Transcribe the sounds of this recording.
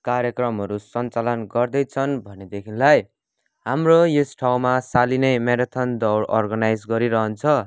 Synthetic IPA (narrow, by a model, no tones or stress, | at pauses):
kaɾjʌkrʌmɦʌɾusʌnt͡salʌnɡʌrd̪ʌjt͡sʰʌnbʱʌned̪ekʰinlaj | ɦamrojosʈʰawmasalinʌjmeɾʌt̪ʰʌnd̪ʌwrʌrɡʌnajd͡zɡʌɾiɾʌɦʌnt͡sʰʌ